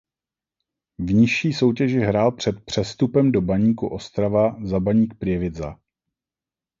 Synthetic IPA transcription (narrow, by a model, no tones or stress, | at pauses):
vɲɪʃiːso̞wcɛʒɪɦɾaːlpr̝̥ɛt̪̚pr̥ɛst̪upɛmdo̞baɲiːkuʔo̞st̪ɾavazabaɲiːk̚pɾɪɛvɪza̰